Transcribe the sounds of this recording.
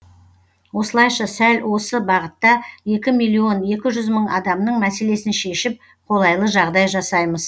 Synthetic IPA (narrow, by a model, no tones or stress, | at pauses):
wo̞səlˠɑjʃɑsælwo̞səbɑʁət̪ːɑje̞kʲɪmijlˠːio̞ne̞kʲɪʒʏzməɴɑ̰d̪ɑmnəɴmæse̞le̞sɪnʃe̞ʃɪp̚ | qʰo̞lˠɑjlˠəʒɑʁd̪ɑjʒɑsɑjməz̥